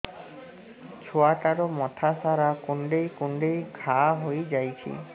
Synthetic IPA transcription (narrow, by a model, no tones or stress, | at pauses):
t͡ʃʰoaʈaɾɔmɔt̪ʰasaɾakuɳɖejkuɳɖejkʰaɦojd͡ʒajt͡ʃʰḭ